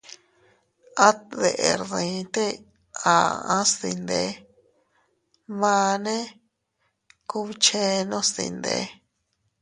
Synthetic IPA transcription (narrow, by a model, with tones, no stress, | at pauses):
a˦t̪ðe˨ʔe˨ɾðĩ˨˦t̪e˦ | a˨ã˦st̪i˧nd̪e˨˦ | βã˧nẽ˦ | ku˧βt͡ʃe˦nõ˦st̪ḭ˧nd̪ḛ˧˦